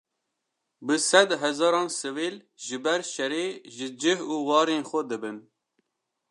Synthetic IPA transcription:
bɨsɛd̪ɦɛzɑːɾɑːnsɨveːl | ʒɨbɛɾʃɛɾeːʒɨd͡ʒɨhuːwɑːɾeːnxʷɛd̪ɨbɨn

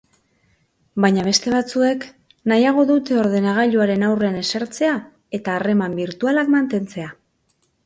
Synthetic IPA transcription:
bajɲaβ̞e̞st̪e̞β̞at͡sue̞k | najaɣ̞o̞ðut̪e̞o̞ɾðe̞naɣ̞aʎuaɾe̞nawre̞ane̞saɾt͡se̞a | e̞t̪aːre̞mambiɾt̪ualakmant̪e̞nt͡se̞a

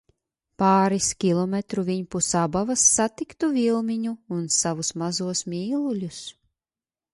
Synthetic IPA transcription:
paːɾiskʲilˠɔmʲɛt̪ɾuvʲiɲpusabavasːat̪ikt̪uvilˠmʲiɲuːnsavusmazuɔsmʲiːlˠulʲus

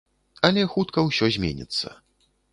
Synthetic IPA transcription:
ɐlʲɛxut̪kɐwsʲɔzʲmʲḛnʲḭt̪sːɐ̰

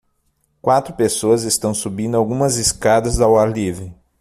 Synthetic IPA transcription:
kwat̪ɾʊpesoɐzest̪ɐ̃w̃subĩnd̪ʊawɡũmɐzeskad̪ɐzd̪ɐwalivɾɪ

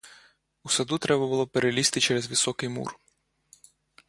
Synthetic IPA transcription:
usɐd̪ut̪ɾʔɛbɐbʊlˠɔpeɾelʲist̪ɪt͡ʃɛɾezʋɪsɔkɪjmṵr

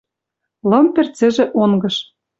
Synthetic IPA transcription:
lɤ̆mpĕrt͡sĕʒĕʔoŋɡɤ̆ʃ

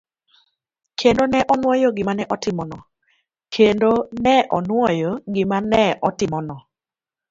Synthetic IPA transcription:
kʰendonɛʔɔnwɔjoɡɪmanɛʔɔtɪmɔnɔ | kʰendonɛʔɔnwɔjoɡɪmanɛʔɔtɪmɔnɔ

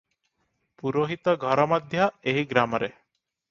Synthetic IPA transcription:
puɾoɦit̪ɔɡʱɔɾɔmɔd̪ʱjaeɦiɡɾamɔɾe

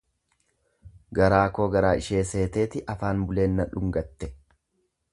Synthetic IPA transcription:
ɡɐɾaːko̞ːɡɐɾaːʔɪʃeːse̞ːt̪e̞ːt̪ɪʔɐfaːnbʊle̞ːnːɐᶑʊŋɡɐt̪ːɛ

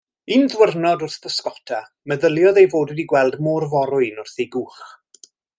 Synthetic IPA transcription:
ɨnðwərnɔdʊrθb̥əskɔtʰa | məðəlˠjɔðejvoːdwɛdiɡwɛlˠdmoːrvɔɾʊɨnʊrθejɡuːχ

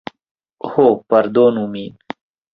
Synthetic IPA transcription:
hopɐɾd̪oːnumiːn

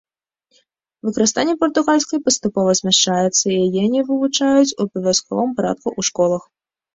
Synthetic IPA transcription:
vɨkɾɨst̪anʲɛpɐrt̪ʊɣalʲsʲkɐjpɐst̪ʊpɔvɐsʲmʲɛʂt͡ʂajɛt̪sːɐijajɛanʲivɨvʊt͡ʂajʊt͡sʲupɐvʲaskɔ̰vɐmpaɾa̰t̪̚kʊʔuʂkɔlˠɐx

